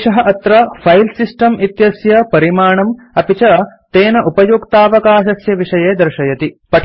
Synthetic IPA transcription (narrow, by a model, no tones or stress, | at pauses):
ʃɐɦɐʔɐt̪ɾɐfʰɐjlsisʈɐmit̪jɐsjɐpɐɾimaːɳɐm | ɐpit͡ʃɐt̪eːnɐʔupɐjoːkt̪aːʋɐkaːʃɐsjɐʋiʂɐjeːd̪ɐɾʃɐjɐt̪ipɐʈʰ